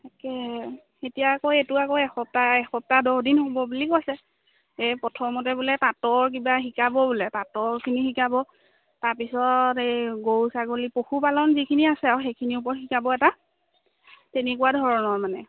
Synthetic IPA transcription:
akɛ | etijaːkɔetuakɔɛxɔp̚taɛxɔp̚tadɔhdinɦobɔbulikojsɛ | epɔtʰɔmɔtɛbulɛpatɔɹk̬ibaxikabɔbulɛpatɔɹkʰinixikabɔ | taɹpisɔteɡowsaɡolipoxupalɔnzikʰiniasɛawxejkʰiniup̬ɔɹxikabɔɛta | tenekuwadʱɔɹɔnɔɹmanɛ

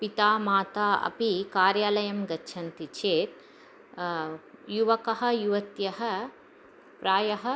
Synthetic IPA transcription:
pit̪aːmaːt̪aːɐ̰pikaːɾjaːlɐjɐmɡɐtːʃʰɐnt̪it͡ʃeːt̪̚ | juʋɐkɐɦɐ̆juʋɐt̪jɐɦɐ̆ | pɾaːjɐɦɐ̆

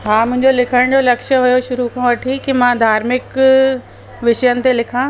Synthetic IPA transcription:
ɦaːmʊ̃ɦɪ̃ɲd͡ʑolɪkʰəɽ̃d͡ʑolɐkʃə̆ɦʊjoʃʊɾukʰãʋɐʈʰikimãd̪ʱaːɾmɪk | ʋɪʃəjənɪ̆t̪elɪkʰã

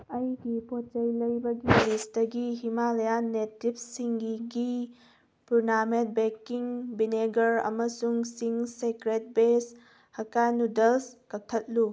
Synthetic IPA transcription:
ɐjdipot͡ʃɐjlɐjbɐɡilisdɐɡiɦimalɐjanetip̚siŋɡiɡi | punament̚bekiŋbineɡɐɾɐ̰mɐsuŋsiŋsekɾet̚bes | hɐkanudelskɐk̚tʰɐt̚lu

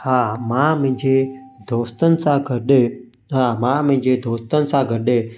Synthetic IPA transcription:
haːmãːmə̃ɦɪ̃ɲd͡ʑeːd̪ʱoːst̪ənɪ̆sãːɡʱəɗe | ɦaːmãːm̃ɦɪ̃ɲd͡ʑeːd̪ʱoːst̪ənɪ̆sãːɡʱəɗeː

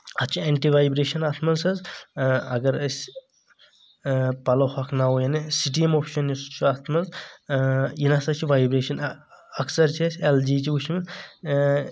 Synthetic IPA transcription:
ɐt͡ʃʰieɳʈiʋaːjbɾeːʃɐnat̪ʰmɐzɐz | ɐɡɐɾɐsʲ | pɐlohɐkʰnawojanisiʈiemoːpʰʃɐnjust͡ʃʰuɐt̪ʰmɐz | jinasɐt͡ʃʰiʋajbɾeːʃɐnɐksɐɾt͡ʃʰesʲeld͡ʒit͡ʃʰiut͡ʃʰmin

